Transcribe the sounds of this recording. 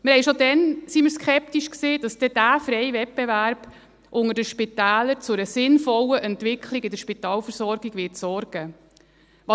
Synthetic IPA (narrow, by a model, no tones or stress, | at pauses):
mɪɾhɛɪʃod̪ɛnsiməɾskʰɛp̚t̪iʃkseːdɑsd̥ɛd̥æːfɾɛjvɛt̚bevæɾb̥ | ʔʊŋəɾdəʃpitæːləɾt͡sʊɾəsɪnfɔləʔɛnt̪ʋɪkʰliɡɪdəɾʃpit̪ɑːlfəɾsɔɾɡiɡʋɪtsɔɾɡ̥ə | ʋɑ